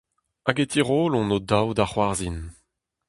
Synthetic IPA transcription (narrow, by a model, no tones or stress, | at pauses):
aɡet̪ʰiʁoːlɔ̃nod̪awd̪aχwaʁzin